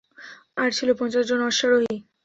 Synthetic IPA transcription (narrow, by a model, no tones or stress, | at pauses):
aɾt͡ɕʰilopɔnt͡ɕaʃd͡ʑonɔʃaɾoɦi